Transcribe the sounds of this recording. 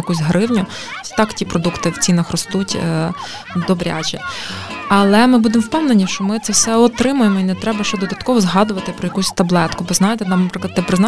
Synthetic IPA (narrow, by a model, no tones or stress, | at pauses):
jɐkusʲɦɾɪwnʲʊ | t̪ɑktʲipɾɔd̪ukt̪ɪwt͡sʲinɐxrɔst̪utʲ | d̪ɔbɾʲa̰t͡ʃɛ̰ | ɐlˠɛmɪbud̪emwpɛwnenʲiʃt͡ʃɔmɪt̪sɛwsɛɔt̪ɾɪmʊjemɔinɛt̪ɾɛbɐʃt͡ʃɛd̪ɔd̪ɐt̪kɔʋɔzɦɑd̪ʊʋɐt̪ɪpɾɔjɐkusʲt̪ɐblˠɛt̪kʊbɔznɑjet̪ɛt̪nɑmnɐpɾɪklˠɐt̪ːɛpɾɪznɑ